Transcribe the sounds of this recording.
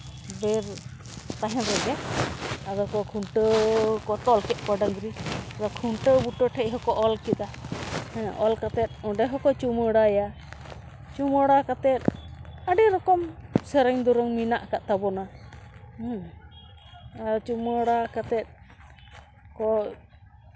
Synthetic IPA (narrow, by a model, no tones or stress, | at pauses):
bɛɾ | t̪aɦɛ̃bɛɡɛ | aɾɔkɔkʰuɳʈəkɔt̪ɔlkɛʔ̪̚ˀkɔɖəŋɡɾiaɾɔkʰuɳʈəbuʈɔʈʰɛʔɦɔkɔʔɔlkid̪ahɛ̃ɔlkat̪ɛt̪̚ɔɖɛɦɔkɔt͡ʃuməɽaja | t͡ʃuməɽakat̪ɛt̪̚aɖɛɾɔkɔmsɛɾɛɲd̪uɾɔŋminaʔkaʔt̪abɔna | aɾɔt͡ʃuməɽakat̪ɛt̪̚ | kɔ